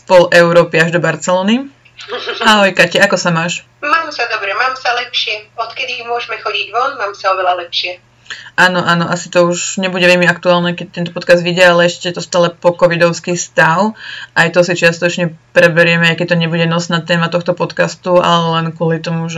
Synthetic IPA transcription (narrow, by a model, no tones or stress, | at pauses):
pɔlʔɛʊɾɔːpiaʒd̪ɔbaɾt͡sɛlɔːni | aɦɔjkacɛakɔsamaːʃ | maːmsad̪ɔbɾɛmaːmsalɛpʃɪɛɔt̪kɛd̪imʊɔʒmɛxɔɟiɟʋɔnmaːmsaɔʋɛlalɛpʃɪɛ | ʔaːnɔʔaːnɔʔasi̥t̪ɔuʃɲɛbuɟɛʋɛʎmiakt̪uaːlnɛkɛc̚t̪ɛnt̪̬ɔpɔt̪kazd̪ʋiɟɪɛalɛɛʃccɛt̪ɔst̪aːlɛpɔkɔʋid̪ɔʊskiːst̪aʊʔajt̪ɔsit͡ʃɪast̪ɔt͡ʃɲɛpɾɛbɛɾɪɛmɛajkɛc̚t̪ɔɲɛbuɟɛnɔsnaːt̪ɛːmat̪ɔxt̪ɔpɔt̪kast̪ua̰lɛlɛnkʊɔlit̪ɔmuʒɛ